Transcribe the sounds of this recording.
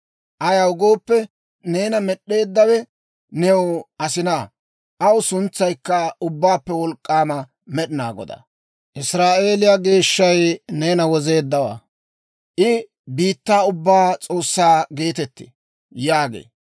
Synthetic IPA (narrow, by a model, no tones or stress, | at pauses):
ʔɐjɐwʊɡo̞ːpːɛ | neːnɐmɛɗːe̞ːd̪ːɐwɛ | nɛwɐsɪnaː | ʔɐwʊsʊnt͡sːɐjkːɐʊbːaːpːɛwɔlkʼːaːmɐ | mɛɗɪnaːɡɔ̰d̪ɐ̰ | ʔɪsɾaːʔe̞ːlɪjaɡe̞ːʃːɐjne̞ːnɐwɔze̞ːd̪ːɐwa̰ː | ʔɪ | biːt̪ːaːʊbːaːt͡sʼo̞ːsːaːɡe̞ːt̪ɛt̪ːḛ | jaːɡḛː